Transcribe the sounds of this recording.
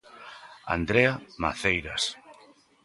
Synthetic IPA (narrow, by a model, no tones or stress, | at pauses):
a̰nd̪ɾeamaθejɾas